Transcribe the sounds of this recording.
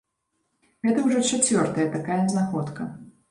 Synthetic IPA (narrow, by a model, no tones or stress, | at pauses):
ɣɛt̪ɐwʐɔt͡ʂat͡sʲvʲɔrt̪ɐjɐt̪akajɐznaxɔt̪kɐ